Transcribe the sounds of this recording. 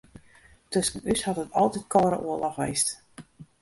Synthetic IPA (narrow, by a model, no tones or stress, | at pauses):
tøsənyshɑtətʰɑlˠtitkʰɔːɾə̰ʔuəlɔxʋḛjst